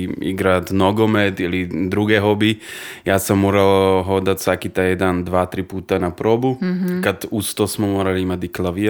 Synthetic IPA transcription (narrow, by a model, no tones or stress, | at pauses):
ḭɡɾat̪noɡɔmɛt̪ilid̪ɾuɡɛɦɔbijaːsamːoɾalɦod̪at̪sakit̪ajɛd̪and̪ʋaːt̪ɾipuːt̪anapɾoːbukad̪ust̪ɔsmɔmoɾaliimat̪iklaʋi